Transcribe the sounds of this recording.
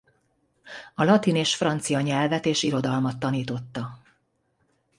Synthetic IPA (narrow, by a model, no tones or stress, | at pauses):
ɒlɒt̪ineːʃfrɒnt̪sijɒɲɛlvɛt̪eːʃiɾo̞d̪ɒlmɒt̪ːɒniːt̪o̞t̪ːɒ